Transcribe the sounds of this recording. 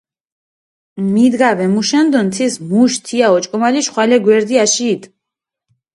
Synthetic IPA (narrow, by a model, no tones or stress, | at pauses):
mid̪ɡavɛmuʃɛnd̪ɔnt̪ʰismuʃt̪ʰiaɔt͡ʃʼkʼɔmaliʃχwalɛɡwɛɾd̪iaʃiːt̪ʼ